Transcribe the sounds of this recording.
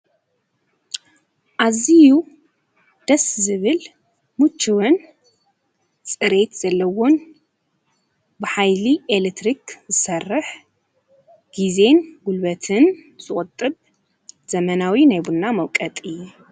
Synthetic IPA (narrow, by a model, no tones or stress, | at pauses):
ʔaziju | d̪̥ɐszɨβɨl | mut͡ʃːiwɨn | t͡sʼɨɾe̞t̪z̥ɐlːɐwo̞n | bɨħajliʔelet̪ɾikzɨsɐrːɨħ | ɡ̥ize̞nɡulbɐt̪ʰɨnz̥ɨχʼʊt̪ʼɨβ | z̥ɐmɐnawinajbunːamɐwkʼɐt̪ʼɨju